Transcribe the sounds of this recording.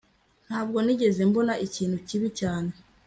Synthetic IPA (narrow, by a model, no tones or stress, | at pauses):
n̥haːb̚ɡo̞niɟe̞ze̞mbo̞naʔiciːnhuciβicaːne̞